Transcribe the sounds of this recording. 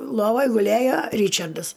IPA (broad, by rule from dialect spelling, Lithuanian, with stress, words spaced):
ˈlˠoːʋoːj ɡʊˈlʲeːjoː ˈrʲiːt͡ʃɐrdɐs